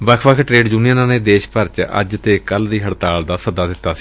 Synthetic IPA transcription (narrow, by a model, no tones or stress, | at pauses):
ʋəkʰʋəkʰʈɾeːɖd͡ʒuːnijənãːneːd̪eːʃpəɾt͡ʃə̰d͡ʒt̪eːkəld̪iːɦəɽt̪aːld̪aːsəd̪aːd̪ɪt̪ːaːsi̥ː